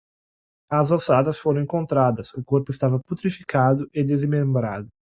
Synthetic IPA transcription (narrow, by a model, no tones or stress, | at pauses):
ɐzɐ̃sad̪ɐsfoɾõẽŋkõnt̪ɾad̪ɐsʊkoɾpʊɪst̪avɐput̪ɾifi̥kʰad̪ʊʔɪd̪ezmẽmbɾa̰d̪ʊ